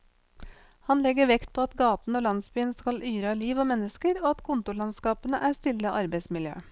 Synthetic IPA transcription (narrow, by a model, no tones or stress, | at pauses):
hɑnlɛɡəʋɛkt̪̚pʰoːɑt̪ɡɑːt̪n̩oːlɑnsbyːənskɑlʔyːɾɑliːʋoːmɛnːəskəɾoːɑt̪kʰʊnt̪ʊɭɑnskɑːpənəʔæːst̪ɪlːəʔɑɾbeɪsmɪljø̰ː